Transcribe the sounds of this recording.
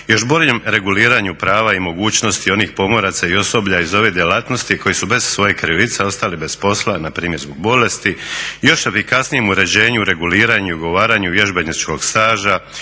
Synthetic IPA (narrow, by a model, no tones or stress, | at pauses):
jo̞ʃbo̞ʎe̞mɾe̞ɡuliːɾaɲupɾaːʋaimo̞ɡuːt͡ɕno̞st̪io̞nixpo̞mo̞ɾat̪saio̞so̞bʎaizo̞ʋed̪ʲjelat̪no̞st̪ikʰo̞jisube̞z̥sʋo̞jekɾiʋit̪seo̞st̪alibe̞spo̞slˠanapɾiːmje̞ɾzbo̞ɡ̚bo̞le̞st̪ijo̞ʃe̞fikasnije̞muɾe̞d͡ʑe̞ːɲuɾe̞ɡuliːɾaɲuiuɡo̞ʋaːɾaɲuʋje̞ʒbenit͡ʃko̞ɡst̪aːʒa